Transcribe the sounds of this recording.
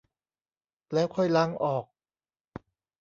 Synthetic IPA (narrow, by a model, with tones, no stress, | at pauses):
lɛː˦˥wkʰɔ˥˩jla˦˥˩ŋʔɔː˨˩k̚